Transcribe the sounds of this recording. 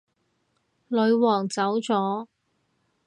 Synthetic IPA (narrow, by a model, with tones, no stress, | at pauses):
lɵ˨˧ɥwɔː˨˩ŋt͡sɐ˨˥wt͡sɔː˨˥